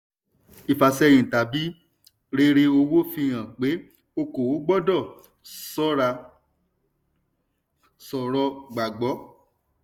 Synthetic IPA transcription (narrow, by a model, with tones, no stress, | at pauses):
i˨fa˨sɛ˧j̃ĩ˨ta˨bi˨˦ | ɾe˧ɾe˧o˧wo˦fĩ˧j̃ã˨k͡pe˨˦ | o˧ko˨wo˨˦ɡ͡bɔ˦dɔ˦˨ | sɔ˦ɾa˧ | sɔ˨ɾɔ˧ɡ͡ba˨ɡ͡bɔ˨˦